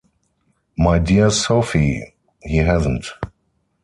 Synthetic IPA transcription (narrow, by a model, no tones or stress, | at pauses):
maɪdiəsoʊfi | hiɦæzə̃n̩t